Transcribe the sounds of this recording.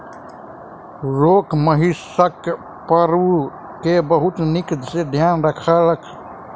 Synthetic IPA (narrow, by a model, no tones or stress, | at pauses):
ɾoːkməɦisək | pəɾu | kebɐɦʊt̪nɪkd̪sed̪ʱjaːnɾəkʰaləkʰ